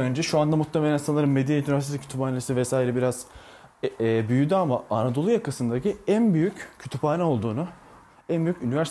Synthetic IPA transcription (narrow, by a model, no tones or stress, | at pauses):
ø̞nd͡ʒɛʃuand̪amut̪ʰːeme̞lʲænsanˠaɾɯnmed̪init̪ʰyɾast̪esicʰy̥t̪ʰypaːnelʲisivɛsaːiɾɛbiɾaz̥ | byjyd̪yamaanad̪o̞lˠujakʰasɯnd̪aciænbyjyccʰːy̥t̪ʰypaːnɛo̞lˠd̪uːnʊ | ænbyjycynivæɾs